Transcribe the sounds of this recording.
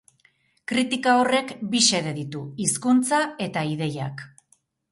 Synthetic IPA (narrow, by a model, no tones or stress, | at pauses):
kɾit̪ikao̞re̞kbise̞ðe̞ðit̪uiskunt͡sae̞t̪aið̞e̞ja̰k